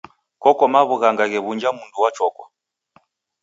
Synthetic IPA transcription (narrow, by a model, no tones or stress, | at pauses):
kɔkɔmaβuɣaŋɡaɣɛβund͡ʒamunduwat͡ʃɔkwɔ